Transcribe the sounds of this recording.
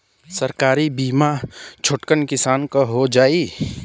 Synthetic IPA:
sɐɾkaːɾibiːmat͡ʃʰʊʈkənkɪsaːnkoɦod͡ʒaːi

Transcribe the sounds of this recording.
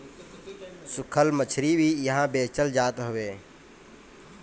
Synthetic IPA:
sʊkʰəlmət͡ʃʰɾiːbʱiːjəɦãːbeːt͡ʃəld͡ʒaːt̪ɦʊʋeː

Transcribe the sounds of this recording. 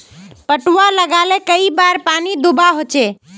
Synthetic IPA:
pəʈuwaləɡalekəibaɾpanid̪ubaɦot͡ʃe

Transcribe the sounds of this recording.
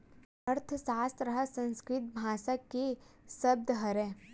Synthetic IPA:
ɐɾt̪ʰəsaːst̪ɾɐɦəsɐ̃nskɾɪt̪̚bʱaːsakːesɐb̚d̪ɦɐɾɛ̃ː

